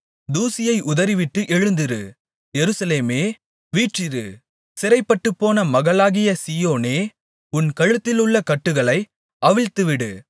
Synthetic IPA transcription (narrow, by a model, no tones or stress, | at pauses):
d̪uːsɪjɐɪʔʊðɐɾɪʋɪʈːɯʔɛɻɯnd̪ɪɾɯ̰ | jɛɾɯsɐleːmeː | ʋiːʈrɪɾɯ̰ | sɪɾɐɪpːɐʈːɯpːoːnɐmɐɣɐɭaːɣɪjɐsiːjoːneː | ʊnkɐɻɯt̪ːɪlɯɭːɐkɐʈːɯɣɐɭɐɪ | ɐʋɪɻt̪ɯʋɪɽɯ